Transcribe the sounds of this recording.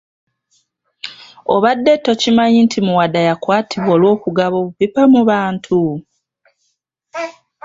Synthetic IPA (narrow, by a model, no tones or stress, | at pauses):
oβadːe̞tːo̞cimaɲintʰimuwadajakwaːtʰiβwoːlwo̞ːkuɡaβo̞βupipamuβaːntʰu